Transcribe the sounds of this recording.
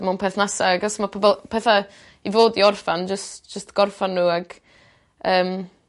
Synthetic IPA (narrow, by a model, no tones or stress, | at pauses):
manpʰeθnasaɡasmapʰɔbɛlˠpʰɛθa | ivoːdiɔrfand͡ʒəstd͡ʒ̥əstɡ̥ɔrfanːuːaɡ̥ | əːm